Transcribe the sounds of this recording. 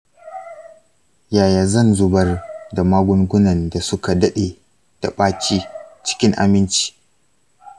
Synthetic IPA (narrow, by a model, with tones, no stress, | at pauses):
jaː˨jaː˨zɐ˦˨nzʊ˦bɐ˦rda˨maː˦ɡʷʊ˦ŋɡʷʊ˦nɐ˨nda˨sʊ˦ka˨dɐ˦ɗe˨ | d̥a˨ɓaː˦t͡ʃiː˦t͡ʃɪ̥˦kʲɪ˦ŋʔa̰˨mɪ˦nt͡ʃi̥ː˦